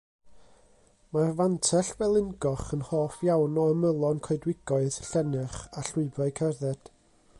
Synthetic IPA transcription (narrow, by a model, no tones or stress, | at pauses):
marvantʰɛɬvɛlˠɪnɡɔχənhoːfjawnɔəməlˠɔnkʰɔɨdwɪɡ̥ɔɨð̥ɬɛnɨχaɬʊɨbaɨkʰɛrðɛd̥